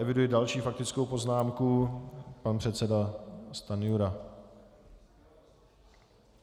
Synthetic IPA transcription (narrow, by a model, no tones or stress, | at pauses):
ɛvɪdujɪdalʃiːfak̚t̪ɪt͡skowpo̞znaːmkupanpr̝̥ɛt̪t͡sɛdast̪anɪjuɾa